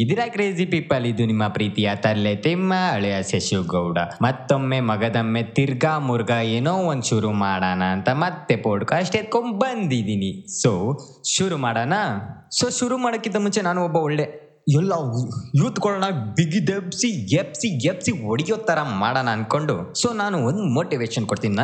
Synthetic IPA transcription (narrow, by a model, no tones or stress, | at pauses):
id̪iɾaːkɾeːzipipːɐlːid̪ːunimːɐpɾiːt̪ijat̪ɐɾlet̪emːɐɐɭɛɐseʃuɡɐwɽɐmɐt̪ːomːemɐɡɐd̪ɐmːet̪iɾɡaːmuɾɡɐeːnoːond̪ʃuɾumaːɽanɐːnt̪ɐmɐt̪ːepoːɽkaɐʂʈeːt̪̚kombɐnd̪id̪iniso | ʃuɾumaːɽaːnɐsoːʃuɾumaːɽɐkːint̪ɐmunt͡ʃenaːnuɔbːɐɔɭːe | ɛlːɐjuːt̪ɡɔɭɐnɐbiɡid̪ebsijepsiepsioɽijoːt̪ːɐɾɐmaːɽaːnɐːn̚ko̞ɳɖusoːnaːnuond̪moːʈiʋeːʃɐnkoɽt̪inina